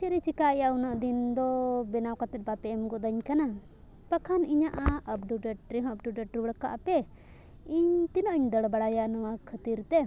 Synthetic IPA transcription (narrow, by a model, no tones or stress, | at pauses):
t͡ʃɛɾit͡ʃikaɛjaunəʔd̪ind̪ɔbɛnawkat̪ɛt̪̚bapɛɛmɡɔd̪aɲkana | pəkʰaniɲaʔaʔəp̚ɖuɖəʈɾiɦɔ̃əp̚ɖuɖəʈɾiwəɽka̰ʔpɛ | iɲt̪inəʔiɲd̪əɽbaɽajanɔwakʰət̪iɾt̪ɛ